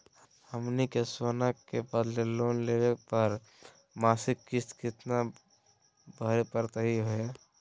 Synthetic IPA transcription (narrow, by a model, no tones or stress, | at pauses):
həmnikesonəkːebəd̪leloːnleʋepəɾ | maːsɪkːɪst̪kɪt̪na | bʱəɾepəɾt̪əɦiɦoe